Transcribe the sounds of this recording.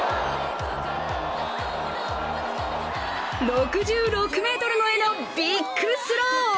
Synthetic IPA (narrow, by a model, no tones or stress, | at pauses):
ɾokɯ̟ʑɨːɾokɯ̟me̞ːt̪o̞ɾɯ̟no̞eno̞ | b̥ʲikʰːɯsɨɾoː